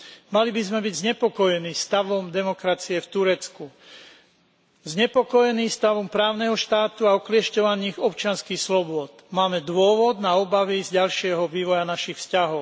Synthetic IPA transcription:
malibizmɛbiɟzɲɛpɔkɔjɛniːst̪aʋɔmd̪ɛmɔkɾat͡siɛft̪uɾɛt͡sku | zɲɛpɔkɔjɛniːst̪aʋɔmpɾaːʊnɛɦɔʃt̪aːt̪uaɔklɪɛʃcɔʋaɲiːxɔpt͡ʃɪanskiːxslɔbʊɔt̪maːmɛd̪ʋʊɔʋɔd̪naɔbaʋizɟalʃɪɛɦɔʋiːʋɔjanaʃixfscaɦɔʊ

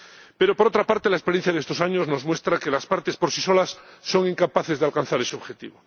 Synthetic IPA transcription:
pe̞ɾo̞poɾo̞t̪ɾapaɾt̪e̞laespeɾjenθjaðest̪o̞saɲo̞zno̞zmwe̞st̪ɾakelaspaɾt̪e̞spoɾsiso̞lasːo̞ŋiŋkapaθe̞zðealkan̟θaɾe̞seoxet̪ḭβo

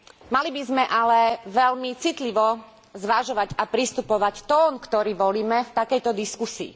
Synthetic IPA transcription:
malibizmɛʔalɛʋɛlmit͡sit̪liʋɔ | zʋaʒɔʋaɟapɾist̪upɔʋact̪ɔːnkt̪ɔɾiːʋɔliːmɛft̪akɛjt̪ɔd̪iskusḭː

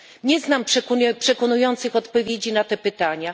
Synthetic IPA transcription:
ɲɛznampʂkpʂɛkɔnujɔnt̪sɘxɔt̪pɔvʲjed͡ʑinat̪ɛpɘt̪aɲa

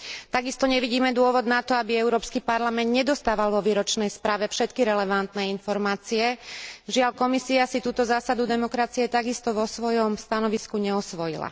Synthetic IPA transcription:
t̪aɡist̪ɔɲɛʋiɟiːmɛd̪ʊɔʋɔd̪nat̪ɔabiɛʊɾɔːpskipaɾlamɛnd̪ɲɛd̪ɔst̪aːʋalʋɔʋiːɾɔt͡ʃnɛjspɾaːʋɛfʃɛt̪kiɾɛlɛʋant̪nɛinfɔɾmaːt͡siɛʒɪaʎkɔmisiasit̪uːt̪ɔzaːsad̪ud̪ɛmɔkɾat͡siɛt̪aɡist̪ɔʋɔsʋɔjɔmst̪anɔʋiskuɲɛɔsʋɔjḭla̰

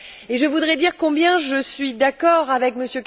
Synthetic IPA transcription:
eʒəvud̪ʁɛd̪iʁkɔ̃bjɛ̃ʒəsɥid̪akɔʁavɛkməsjøk

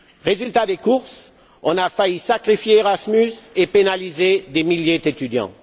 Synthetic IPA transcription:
ʁezylt̪ad̪ekuʁs | ɔ̃nafaisakχifjeːʁasmysepenalized̪emiljed̪et̪yd̪jɑ̰̃

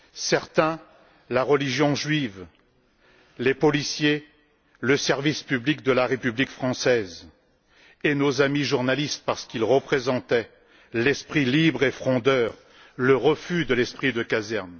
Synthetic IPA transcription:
sɛʁt̪ɛ̃ | laʁəliʒjɔ̃ʒɥiv | lepɔlisje | ləsɛʁvispyblik̚d̪əlaʁepyblikfχɑ̃sɛz | enozamiʒuʁnalist̪̚paʁsə̥kilʁəpχezɑ̃t̪ɛ | lɛspχilibʁefχɔ̃d̪œːʁ | ləʁəfyd̪əlɛspχid̪əkazɛʁn

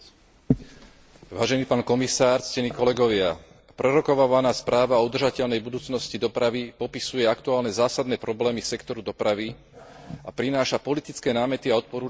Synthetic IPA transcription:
ʋaːʒɛniːpaːnkɔmisaːɾt͡scɛniːkɔlɛɡɔʋɪa | pɾɛɾɔkɔʋaʋanaːspɾaːʋaɔud̪r̩ʒacɛʎnɛjbud̪uːt͡snɔscid̪ɔpɾaʋipɔpisujɛakt̪uaːlnɛzaːsad̪nɛːpɾɔblɛːmisɛkt̪ɔɾud̪ɔpɾaʋi | apɾinaːʃapɔlit̪it͡skɛːnaːmɛt̪iaɔt̪̚pɔɾuː

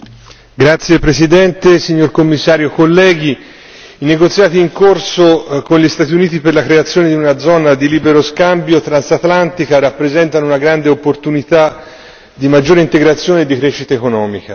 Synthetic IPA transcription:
ɡɾat̪sːjepɾesid̪ɛnt̪esiɲːorkomːisːaːɾjokolːɛːɡi | ineɡot̪sːjaːt̪iːŋkorsokonʎist̪aːt̪iuniːt̪iperlakɾeat̪sːjoːned̪iunad̪zɔːnad̪iliːbeɾoskambjot̪ɾansat̪lant̪ikaɾapːɾezɛnt̪anounaɡɾand̪eopːort̪unit̪a | d̪imad͡ʒːoːɾeint̪eɡɾat̪sːjoːned̪ːikɾɛːʃːit̪aekonɔːmika

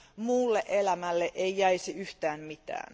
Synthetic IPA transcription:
muːlːeʔelæmælːeʔeijæiseyht̪æːnmit̪æ̰ːn

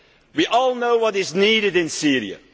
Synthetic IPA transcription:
wiʔɔːlˠnoʊwʌɾɪzniːɾɨdɪ̃nsiɹḭə̰

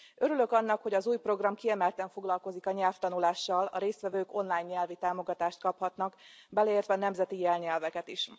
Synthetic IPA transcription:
ʔø̞ɾylø̞kɒnːɒkho̞ɟɒzuːjpro̞ɡrɒmkiɛmɛlt̪ɛɱfo̞ɡlɒlko̞zikɒɲɛlft̪ɒnulaːʃːɒlɒ̰ɾeːst̪ʋɛvøːko̞nlaːjɲːɛlvit̪aːmo̞ɡɒt̪aːʃt̪̚kɒphɒt̪nɒkbɛlɛeːrt̪ʋɛːnɛmzɛt̪ijɛlɲɛlvɛkɛt̪iʃ

